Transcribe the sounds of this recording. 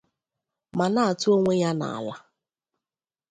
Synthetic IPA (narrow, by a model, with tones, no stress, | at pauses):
ma˨na˦a˨tʊ˦o˦ŋʷe˦ja˦na̰˨a̰˨la˦